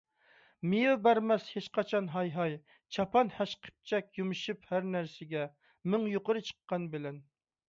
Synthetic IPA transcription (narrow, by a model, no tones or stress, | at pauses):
mɪjubæɾmɛshet͡ʃqɑt͡ʃʰɑnɦɑjɦɑj | t͡ʃʰɑpʰɑnhɛʃqʰə̥p̚t͡ʃʰɛkʲjumɪʃyphæɾnæɾsɪɡʲɛ | mɪŋjoqəɾɨt͡ʃʰə̥qːɑnbɪlɛn